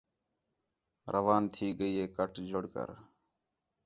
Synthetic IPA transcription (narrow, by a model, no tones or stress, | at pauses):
ɾəʋaːnt̪ʰiːɡəiːɦeːkəʈd͡ʒʊɽkə̰ɾ